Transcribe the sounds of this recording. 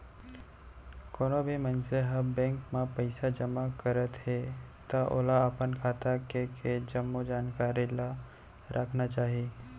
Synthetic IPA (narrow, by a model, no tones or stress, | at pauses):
koːnobʱimə̃nseɦɐmbɛ̃ːŋkmãpɐɪsad͡ʒɐmakəɾət̪ɦet̪aʔo̰ːlaəpənkʰaːt̪akeked͡ʒəmːod͡ʒaːnkaːɾila | ɾʔəkʰnat͡ʃaːɦiiː